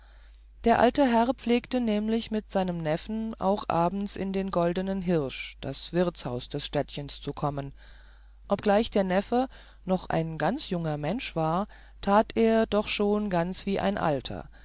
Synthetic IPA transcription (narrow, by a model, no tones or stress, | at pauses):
d̥eːɐʔa̰ltəɦɛʁpp͡fleːktənɛːmlɪçmɪtz̥aɪnəmnɛfn̩ʔa̰ʊxʔa̰ːbm̩t͡sɪ̰ndeːnɡɔldənənɦɪʁʃd̥asv̥ɪɐt͡shaʊsd̥ɛsʃtɛtçənst͡sukʰɔmən | ʔɔp̚ɡ̥laɪçd̥eːɐnɛfə | nɔχʔa̰ɪnɡant͡sjʊŋɐmɛnʃv̥aːɐ | tʰaːtʰeːɐdɔχʃoːnɡant͡sv̥iːʔa̰ɪnʔa̰ltʰɐ̰